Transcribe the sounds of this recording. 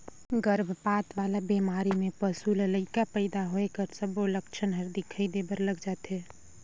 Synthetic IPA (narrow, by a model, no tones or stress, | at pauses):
ɡəɾbʱpaːt̪ʋaːlabimaːɾimẽpəsuːlələikapəɪd̪aɦoekəɾsəboləkʃʰənɦɐɾd̪ikʰəid̪ebəɾləɡd͡ʒaːt̪ɦɛː